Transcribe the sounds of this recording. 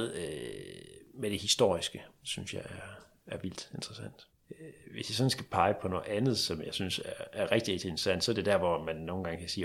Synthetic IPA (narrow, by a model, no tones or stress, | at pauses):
ðˠø | med̥e̝hisd̥o̝̰ɐ̰isɡ̥əsynsjɑ̈ɪæɐ | æɐʋil̰d̥e̝nd̥ʁɐsæn̰d̥ | ʋe̝sjäsɒ̽n̩sɡ̥æpʰɑ̈ɪəpʰɒ̽nɔ̽ːð̩ˠænð̞̩ˠsɒ̽mjɑ̈ɪsynsæɐæɐʁeɡ̥d̥iʁeɡ̥̚d̥ie̝n̥ʁɐ̥sæn̰d̥sɒ̽ɐd̥e̝d̥æɐʋɒmænːo̝ːnɡɑ̈ŋəkʰæsiː